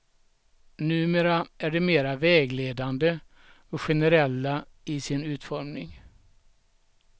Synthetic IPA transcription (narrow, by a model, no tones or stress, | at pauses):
nʉ̟ːmeːɾaʔæɖɛmeːɾavɛːɡleːd̪and̪ə | ɔɧɛnəɾɛlːaɪsɪnʉ̟ːt̪fɔɾmnɪŋ